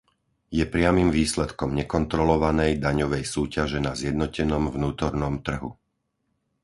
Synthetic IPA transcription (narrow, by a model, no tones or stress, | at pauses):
jɛpɾɪamimʋiːslɛt̪kɔmɲɛkɔnt̪ɾɔlɔʋanɛjd̪aɲɔʋɛjsuːcaʒɛnazjɛd̪nɔcɛnɔmvnuːt̪ɔɾnɔmt̪r̩ɦṵ